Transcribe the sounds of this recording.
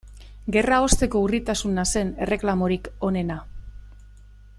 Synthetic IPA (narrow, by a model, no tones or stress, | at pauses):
ɡe̞rao̞st̪e̞ko̞urit̪asunase̞ne̞re̞klamo̞ɾiko̞ne̞na